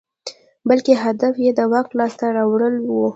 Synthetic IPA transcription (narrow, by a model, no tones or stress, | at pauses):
balkeɦad̪afjed̪əwɑklɑst̪aɾɑwɽəlwu